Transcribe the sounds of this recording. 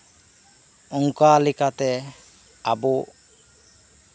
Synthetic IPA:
ɔŋkalikat̪ɛ | abɔ

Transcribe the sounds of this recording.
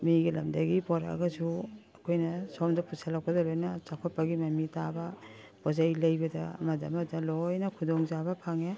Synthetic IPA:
miɡilɐmdɐɡipɔɾa̰ɡɐsuɐkʰojnɐsomdɐpʰusʰalak̚ɐdɐlojnɐt͡ʃakʰɔt̚pɐɡimɐmitabɐ | pɔzajlɐjbɐdɐ̰mɐdɐ̰mɐdɐlojnɐkʰudoŋzabɐpʰaŋe

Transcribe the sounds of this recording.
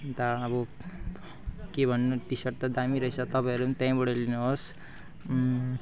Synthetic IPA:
t̪ʌːbʌ | kebʱʌnːoʈisʌʈt̪ʌd̪amiɾʌɦit͡sʰʌt̪ʌpãɦʌɾunt̪ãĩbʌɽʌlinuɦos

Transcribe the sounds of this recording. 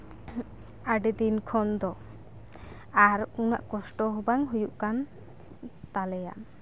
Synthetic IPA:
aɖed̪inkʰɔnd̪ɔ | aɾuna̰ʔkɔsʈɔɦubaŋɦujuʔkan | t̪alɛja̰m

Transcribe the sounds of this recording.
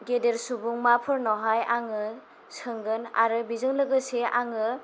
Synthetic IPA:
ɡedeɾsubuŋmapʰɯɾnɔɦajaŋɯ | sɯŋɡɯna̰ɾɯbizɯŋlɯɡɯseʔaŋɯ

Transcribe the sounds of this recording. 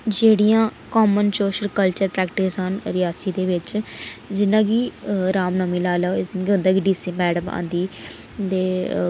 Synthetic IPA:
d͡ʒeːɽijãːkɔːmənsoːʃəlkəlt͡ʃəɾpɾɛːk̚ʈɪsɦənɾɪjaːsiːd̪eːʋɪt͡ʃd͡ʒɪnãːkiːɾaːmnəmiːlaːlaːɪsnɡiɦʊ̃nd̪aːkiɖiːsiːmɛːɽəma̰ːnd̪iː | d̪eː

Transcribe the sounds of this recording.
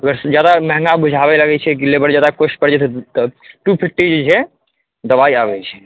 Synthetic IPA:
əɡəɾsd͡ʒjad̪amɛɦŋɡabud͡ʒʱabɛləɡɛt͡ʃʰɛk̬ilebəɾd͡ʒjad̪akosʈ̚pəɾd͡ʒɛt̪ʰt̪ʈupʰip̚ʈid͡ʒet͡ʃʰɛ | d̪əbaiabɛt͡ʃʰɛ̥

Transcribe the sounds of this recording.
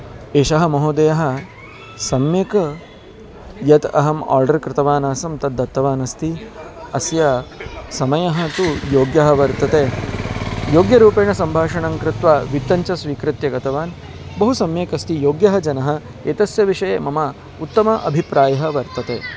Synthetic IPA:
eːʃɐɦɐmɐɦoːd̪ɐjɐɦɐ̆ | sɐmjɐkɐ | jɐt̪ɐ̰ɦɐma̰ːɾɖɐɾkɾɪt̪ɐʋaːnaːsɐmt̪ɐd̪ːɐt̪ːɐʋaːnɐst̪i | ɐsjɐsɐmɐjɐɦɐ̆t̪ujoːɡjɐɦɐʋɐɾt̪ɐt̪eː | joːɡjɐɾuːpeːɳɐsɐmbʱaːʂɐɳɐŋkɾɪt̪ʋaːʋit̪ːɐɲt͡ʃɐsʋiːkɾɪt̪jɐɡɐt̪ɐʋaːn | bɐɦusɐmjeːkɐst̪ijoːɡjɐɦɐd͡ʒɐnɐɦɐ̆ | eːt̪ɐsjɐʋiʂɐjeːmɐmɐ | ut̪ːɐmɐʔɐ̰bʱipɾaːjɐɦɐʋɐɾt̪ɐt̪eː

